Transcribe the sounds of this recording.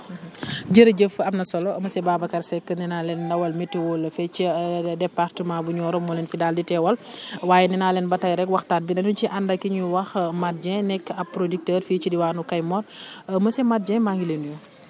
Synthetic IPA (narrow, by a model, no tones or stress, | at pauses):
ɟəɾɐɟəfɐmnɐsɔlɔmɐsɛbaːbɐkɐrsɛkːəninaːlɛndɐwɐlmitːiwɔlːɐfɛt͡ʃidɛpːartəmabuɲɔːɾɔmɔlɛnfidaːlditɛwɐlwaːjɛninalɛnbɐtɐjɾɛkwɐxtaːt̚binɐnunt͡ʃiʔɐndɐkiɲuwɐxmat̚d͡ʒɛ̃nɛkːɐpːɾodik̚təːrfiːt͡ʃidiwaːnukɐjmɔtməsɛmat̚d͡ʒɛ̃maŋɡilenujɔ